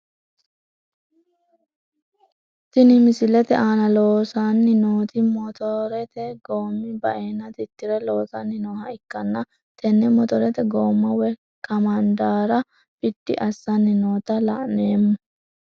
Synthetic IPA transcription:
t̪ɪnɪmɪsɪlɛt̪ɛʔaːnɐloːsanːɪnoːt̪ɪmɔt̪ɔɾɛt̪ɛɡoːmːɪbɐʔeːnːɐt̪ɪt̪ːɪɾɛlo̞ːsɐnːɪnoːhɐɪkːɐnːɐ | t̪ɛnːɛmɔt̪ɔɾɛt̪ɛɡoːmːɐwɛ | kɐmɐnd̪aːɾɐ | fɪdːɪ̰ʔɐsːɐnːɪnoːt̪ɐlɐ̰ʔneːmːʊ

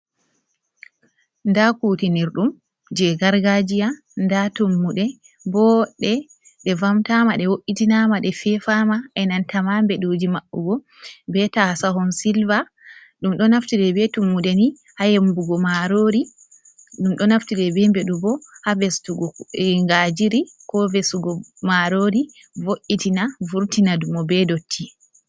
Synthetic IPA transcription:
ndakuːtiniɾɗum | d͡ʒɛɡaɾɡad͡ʒija | ndatumːuɗɛ | bɔɗɛ | ɗɛvamtamaɗɛwoʔːitinamaɗɛfɛfamaʔɛnantamambɛɗod͡ʒimaʔːṵɡɔ | bɛtasaɦɔnsilva | ɗumɗɔnaftiɾɛbɛtumːudɛni | hajembuɡɔmaɾoɾi | ɗumɗɔnaftiɾɛbɛmbɛɗubɔhavɛstuɡɔŋɡad͡ʒiɾikɔvɛsuɡɔmaɾoɾi | voʔːitinavuɾtinadumɔbɛdotʰːi

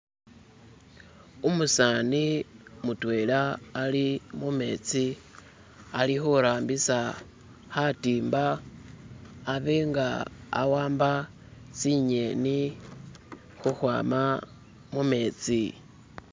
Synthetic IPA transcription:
umusanimutwe̞ːlaːlimume̞ːt͡si | alixuɾaːmbisa | hatiːmba | βeŋɡaa̰waːmba | t͡siɲe̞ni | xuxwa̰ːma | mume̞ːt͡si

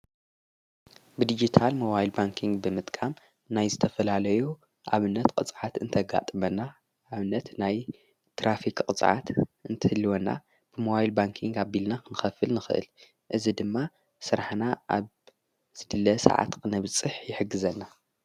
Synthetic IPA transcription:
bɨd̪id͡ʒit̪ʰalmoβajlbaŋkʰiŋɡbɨmɨt̪ʼkʼam | najzɨt̪ʰɐfɐlalɐju | ʔaβɨnːɐt̪kʼɨt͡sʼʕat̪ɨnt̪ʰɐɡa̰t̪ʼɨmɐnːaː | βɨnːɐt̪naj | t̪ʰɾafikkʼɨt͡sʼʕa̰t̪ɨnt̪ʰɨhɨlːiwonːa̰ | b̥ɨmoβajlbaŋkʰiŋɡabilnakɨnɨxɐfɨlnɨxɨʔɨ̰l | ʔɨzid̪ɨmːa | sɨɾaħnaʔa̰β | z̥ɨd̪ɨlːɐsɐ̰ʕa̰t̪kʰɨnɐβt͡sʼɨħjɪħɨɡːɨzɐnːa

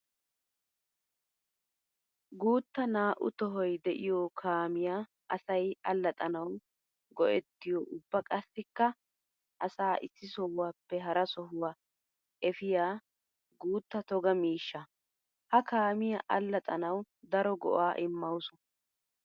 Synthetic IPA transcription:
ɡuːt̪ːɐnaːʔʊt̪ɔɦɔjd̪ɛʔɪjɔkʰaːmɪjaː | ʔɐsɐjɐlːɐt̪ʼɐnɐw | ɡɔʔɛt̪ːɪjɔʔʊbːɐkʼɐsːɪkːɐ | ʔɐsaːʔɪsːɪsɔwːaːpːɛɦɐɾɐsɔɦʊwa | ʔɛfɪjaː | ɡuːt̪ːɐt̪ɔɡɐmiːʃːɐ | hɐkaːmɪjɐʔɐlːɐt̪ʼɐnɐw | d̪ɐɾɔɡɔ̰ʔaːʔɪmːɐwsʊ̥

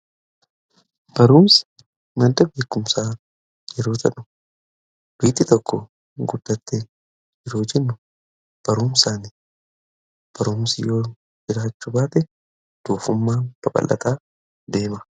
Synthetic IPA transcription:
b̥ɐɾuːms | mɐd̪ɐbe̞ːkːʊmsaː | d͡ʒɛɾoːt̪ʰɐᶑʊ̥ | d̪̥ʊiːt̪ːɪt̪ɔkːɔ | ɡʊd̪ːɐt̪ːɛ | d͡ʒɪɾoːd͡ʒɛnːʊ | b̥ɐɾuːmsaːnɪ | b̥ɐɾuːmsɪjoː | d͡ʒɪɾaːt͡ʃːʊbaːt̪ɛ | d̪̥uːfʊmːaːb̥ɐbʼɐ̰lʔːɐ̰t̪aː | d̪e̞ːmɐ

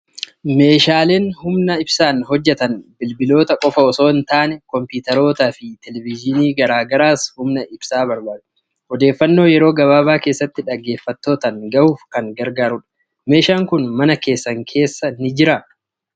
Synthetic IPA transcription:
me̞ːʃaːle̞ːnhʊmnɐɪbsaːnhɔd͡ʒːɛt̪ɐnbɪlbɪlo̞ːt̪ɐkʼɔfɐɔso̞ːɪnt̪aːnɛkɔmpiːt̪ɐɾo̞ːt̪aːfɪt̪ɛlɛvɪd͡ʒɪniːɡɐɾaːɡɐɾaːshʊmnɐʔɪb̥saːbɐɾbaːd̪ʊ̥ | ɔd̪e̞ːfːɐnːo̞ːjɛɾo̞ːɡɐβaːβaːke̞ːsːɐt̪ːɪᶑɐɡːe̞ːfːɐt̪ːo̞ːt̪ɐŋɡɐʔuːfkɐŋɡɐɾɡaːɾʊᶑɐ̥ | me̞ːʃaːŋkʊnmɐnɐke̞ːsːɐŋkʰe̞ːsːɐnɪd͡ʒɪɾɐ

